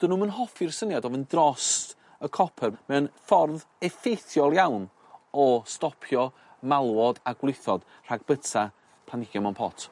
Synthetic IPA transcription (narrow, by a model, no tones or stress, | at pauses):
d̥ənumənɦɔfɪrsənjadɔvəndrɔst | əkʰɔpʰɛrmɛwnfɔrðɛfejθjɔlˠjawn | ɔstɔpʰjɔ | malˠwɔdaɡwlˠɪθɔd̥ | r̥aɡ̚bətʰa | pʰlˠanɪɡjɔmɔnpʰɔ̰tʰ